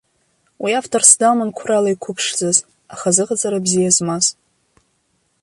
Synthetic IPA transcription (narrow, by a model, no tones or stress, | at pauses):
wiaftʰorsdamankʷʰralaikʷʰʊpʰʂd͡zaz | aχazɨʁad͡zʼaɾabzijazmaz